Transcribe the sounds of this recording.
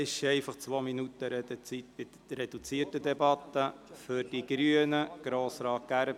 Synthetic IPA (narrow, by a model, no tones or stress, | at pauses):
ɪʃɛɪfɑχt͡sʋominut̪əɾɛd̪ət͡sit̪bɪ | ɾɛd̥̪ut͡siːətəd̪ɛbɑt̪ːə | fʏɾd̥iɡ̥ɾyənəɡ̥ɾoːsɾɑːt̚ɡ̥æɾə